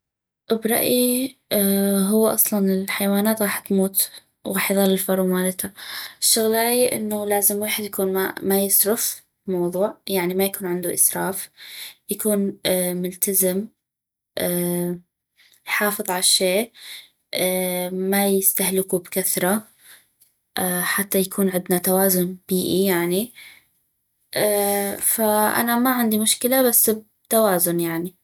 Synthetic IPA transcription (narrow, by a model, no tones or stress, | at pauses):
ʔbɾˤɑ̰ʔi | ɦʊwːʔɑ̰sˤlɑnɪlħajwaːnaːt̪ɣɑːħɪt̪muːt̪ | wɣɑːħjðˤɑlːɪlfɑɾˤumaːlɪt̪ʰaɪʃːʊɣlaːjʔɪ̰nːulaːzɪmweːħɪd̪jakuːnmamajɪsɾʊf | mɑwðˤuːʕjaʕnimajakuːnʕɪnd̪uʔɪsɾˤɑːfjakuːnmʊlt̪azɪm | ʔ | jħɑːfɨðˤʕalaʃeː | majɪst̪ahlɪkubkaθɾˤɑ | ʔaħat̪ːajakʰuːnʕɪnd̪nat̪awaːzʊnb̥iːʔijaʕni | ʔafaʔa̰namaʕɪnd̪imʊʃkɪlabasːb | t̪awaːzʊnjaʕni